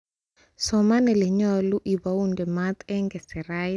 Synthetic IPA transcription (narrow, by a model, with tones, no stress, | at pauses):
sɔma˦nɛ˨le˨ɲɔlu˦ʔi˨ba˨u˦ndɛ˨ma˦t̪ɛ˦ŋɡɛ˨sɛ˨ɾa˦